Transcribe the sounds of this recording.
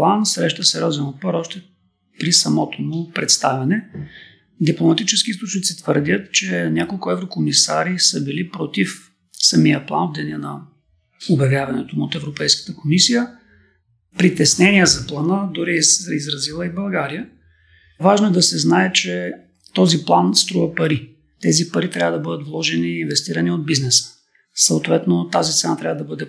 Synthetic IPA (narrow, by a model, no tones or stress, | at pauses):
lˠansɾɛʃt̪əsɛɾʲɔzɛnot̪̚paɾɔʃt̪ɛ | pɾisɐmɔt̪omʊpɾɛt̪st̪avʲɐnɛ | d̪iplˠomɐt̪it͡ʃɛsk̟iist̪ˠot͡ʃnit̪sit̪vəɾd̪ʲət̪t͡ʃɛnʲakolˠkʊɛvɾokomisa̰ɾisəbilipɾot̪if | sɐmijəplˠa̰nobd̪ɛniɛnɐ | objɐvjavɐnɛt̪omot̪ɛvɾopɛjskə̥t̪əkomisijə | pɾit̪ɛsnɛniɛzɐplˠanəd̪ʊɾiizɾɐzilˠəibɐlˠɡaɾijə | vaʒnoɛd̪ɐsɛznaɛt͡ʃɛ | t̪ɔziplˠanst̪ɾuvɐpɐɾi | t̪ɛzipɐɾit̪ɾʲavəd̪ɐbɤd̪ət̪vlˠɔʒɛniːnvɛst̪iɾɐniod̪̚biznɛsə̥ | sət̪vɛt̪not̪azist̪ɛnat̪ɾʲavəd̪ɐbɤd̪ɛ